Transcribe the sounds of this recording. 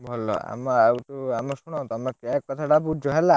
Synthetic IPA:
bʱɔlɔ̰a̰mɔawt̪uamɔsuɽ̃ɔ̃t̪ɔmekakːɔt̪ʰaʈapud͡ʒʱɔɦela

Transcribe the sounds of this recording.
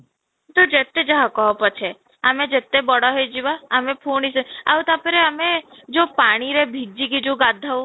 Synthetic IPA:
t̪od͡ʒet̪ːed͡ʒəɦãkɔɦɔpɔt͡ʃʰe | amẽd͡ʒet̪ːebɔɽɔɦed͡ʒiʋaəmẽpʰunisəaut̪apeɾeəmed͡ʒopaɽ̃iɾebʱid͡ʒikid͡ʒoɡad̪ʱːa

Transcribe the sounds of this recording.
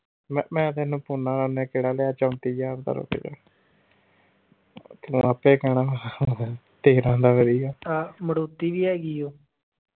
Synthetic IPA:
mɛmɛ̃ːt̪enũːpuːnãːlaːnẽːkeːɽaːleːaːt͡ʃəːmt̪iːjaːɾd̪a̰ɾo̰pḛːd͡ʒa̰ː | k̪ːəpeːkɛːɽaː | t̪eːɾãːnd̪aːʋəɾiːɡaːt̪aːməɽoːt̪ːiːʋiːɛːɡiːjoː

